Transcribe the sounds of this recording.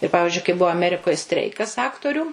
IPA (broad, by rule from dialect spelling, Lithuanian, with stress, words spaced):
ɪr ˈpɑːʋʲɪʒʲʊɪ kɐɪ ˈbʊʋɐ ɐˈmʲæːrʲɪkoːj ˈsʲtʲrʲɛɪkɐs ˈɑːktoːrʲuː